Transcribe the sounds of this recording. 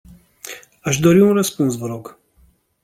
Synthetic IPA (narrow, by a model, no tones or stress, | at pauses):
aʃd̪oɾiwunɾəspunsvəɾoɡ